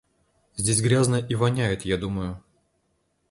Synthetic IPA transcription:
zʲdʲesʲɡɾʲaznəjəʔivɐnʲæjɪt̪jad̪uməjʊ

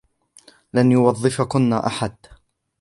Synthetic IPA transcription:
lanjʊwɑðˤːɨfakʊnːaʔaħad̪

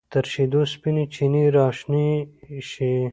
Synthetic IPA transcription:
t̪ɐɾʃid̪uspinit͡ʃʰiniɾɑːʃniʃi

